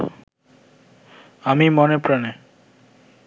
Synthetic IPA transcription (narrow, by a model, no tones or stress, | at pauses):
amimonepɾane